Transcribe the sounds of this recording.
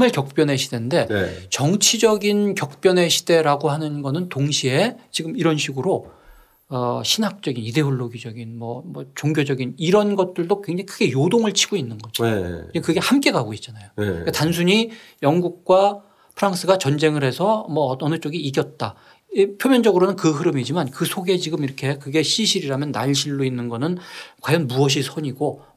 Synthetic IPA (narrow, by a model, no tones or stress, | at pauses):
mɯɭkjʌk̚p͈jʌnɦe̞ɕʰide̞nnde̞t͡ɕʌŋt͡ɕʰid͡ʑʌɡinkjʌk̚p͈jʌne̞ɕʰi̥d̥e̞ɾaɡoɦanɯnɡʌnɯntoŋɕʰie̞t͡ɕiɡɯmiɾʌnɕʰiɡɯɾo | ʌɕʰinɦak̚t͡ɕ͈ʌɡinide̞uɭːoɡid͡ʑʌɡinmʌmʌt͡ɕoŋɡjod͡ʑʌɡiniɾʌnɡʌt̚t͈ɯɭdokwe̞ŋd͡ʑaŋikʰɯɡeijodoŋɯɭt͡ɕʰiɡ̥oinːɯnɡʌd͡ʑiiekɯɡe̞hamk͈e̞ɡaɡoit̚t͡ɕ͈anajoik͈atansʰuɲijʌŋɡuk̚k͈wa | pʰɯɾaŋs͈ʰɯɡat͡ɕʌnd͡ʑe̞ŋɯɾɦe̞sʰʌmʌʌnɯt͡ɕ͈oɡiːɡjʌt̚t͈a | pʰjomjʌnd͡ʑʌɡɯɾonɯnkɯɦɯɾɯmid͡ʑimankɯsʰoɡe̞t͡ɕiɡɯmiɾʌkʰe̞kɯɡe̞ɕʰiɕʰiɾiɾamjʌnːaʎɕʰiɭːoinːɯnɡʌnɯnkwajʌnmuʌɕ̬ʰisʰʌɲiɡo